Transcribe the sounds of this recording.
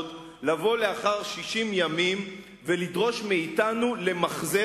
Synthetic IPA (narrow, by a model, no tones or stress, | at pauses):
d | lavo̞leaχaʁʃiʃimjamim | velidʁo̞ʃmeitanule̞maχze